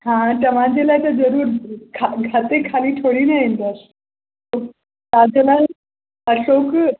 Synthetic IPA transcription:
ɦãʈəʋãd͡ʑelat͡ɕad͡zəɾuːɾkʰaɡʱat̪ekʰaliːʈʰoɽiːnaẽnt̪əs | o | tad͡ʑla | əɕok

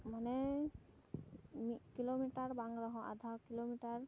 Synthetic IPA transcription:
manɛ | mikilomiʈaɹbaŋɹaɦɔ̃ʔa̰d̪ʱawkilomiʈaɹ

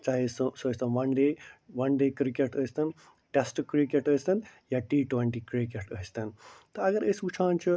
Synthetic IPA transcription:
t͡ʃaːɦissost̪ɐnʋɐnɖeːʋɐnɖeːkɾikeʈəst̪ɐn | ʈesʈkɾikeʈəst̪ɐnjaʈiːʈweɳʈikɾikeʈəɦist̪ɐnt̪ɐɐɡɐɾesut͡ʃʰãːnt͡ʃʰu

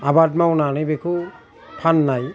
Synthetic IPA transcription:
abat̚mawnanajbekʰu | pʰanːaj

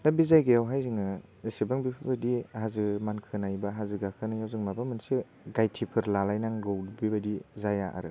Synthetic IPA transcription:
nabizajɡajawɦajziŋɯ | sebaŋbipʰɯbadihazɯmankʰɯnajbaɦazɯɡakʰɯnajawzɯŋmabamɯnsi | ɡajtʰipʰɯɾlalajnaŋɡɯwbibadizajaʔa̰ɾɯ

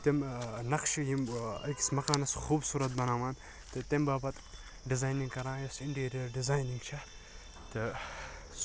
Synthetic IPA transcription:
t̪emnɐkʃjimɐ̰ki̥smɐklaːnɐsxuːbsuːɾɐt̪̚bɐnaːmaːn | t̪ɨt̪embaːbɐt̪ | ɖizaːjnĩŋɡkɐɾãːjɐsiɳʈeːɾijɐɾɖizaːjniŋɡt͡ʃʰɐ | t̪ɨ

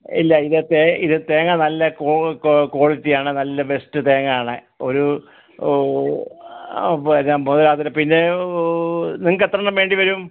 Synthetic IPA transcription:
ilːɐiðɨt̪eiðɨt̪eːŋɐnɐlːɐkoko̞ːɭit̪ːijaːɳɨnɐlːɐbe̞stɨt̪eːŋaːɳɨ | o̞ɾu | pːamoðɐlaːðɐɾɐpinːe̞ | niŋːɨkːet̪ːrɐɳɐmʋe̞ːɳɖiʋɐɾum

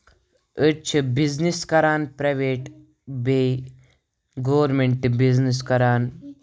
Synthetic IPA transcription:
ət͡ʃʰɨbizniskɐɾaːnpɾɐʋeːʈ | be | ɡoːɾmeɳʈɨbiznis̬kɐɾaːn

